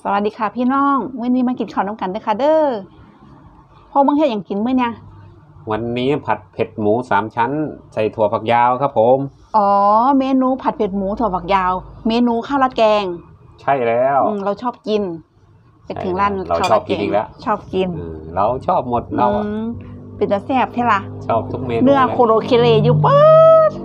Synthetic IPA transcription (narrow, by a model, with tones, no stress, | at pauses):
sa˧wa˨˩t̪̚diː˧kʰa˧˩pʰiː˧˨nɔː˧˥˩ŋmɯ˧˥˨niː˧˥ma˧˥nki˨˧nkʰa˧˩wna˧˥˨ka˧˨ndɤː˧˨kʰa˧˩dɤː˧˨ | pʰɔ˧ma˧˥ŋh̚ʰɲaː˨˩ŋki˨˦nmɯ˧˥˨ɲ˧˨ | wa˧nːiː˦˥pʰa˨˧˩t̪̚pʰe˨˩t̪̚muː˨˦saː˨˦mt͡ɕʰa˦˥nsa˧˩jt̪ʰu˧ɐpʰa˧k̚jaː˧wkʰa˦˥pʰːo˨˦m | ʔɔː˨˩meː˧nuː˧˥pʰa˧˩pʰe˨˩t̪̚muː˨˦t̪ʰu˧ɐpʰa˧˩k̚jaː˧wmeː˧nuː˧˦kʰaː˧˥˩wla˧t̪̚kɛː˧ŋ | t͡ɕʰa˥˩jlɛː˦˥wɯː˧˩la˧˩wt͡ɕʰɔː˥˩p̚ki˧n | pa˧˨j̪ʰɯ˨˦ŋla˧˩˨n˧˩la˧aː˧˨˧ki˨ɛː˧ḭː˨la̰˦˧˥ʔt͡ɕʰɔː˧˥˩p̚ki˧nɯː˧˩ɾa˧˩wt͡ɕʰɔː˥˩p̚mo˨˧˦t̪̚a˧wpe˨nt̪uː˧˦sɛː˧˩p̚t̪ʰa˧˩la˧ʔt͡ɕʰɔː˥˩p̚t̪ʰu˦˥k̚me˧nɯ˧˥ɐkʰo˧loː˧kʰe˧leː˧˩juː˧˦pɤː˧t̪̚